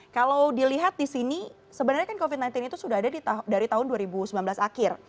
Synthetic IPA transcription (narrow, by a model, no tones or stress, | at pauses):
kalawdiliɦat̪̚disini | səbənarɲakankofit̪̚najnt̪ɪnit̪usudaɦadadidaɾit̪aɦʊnduaɾibusəmlanbəlasakɪr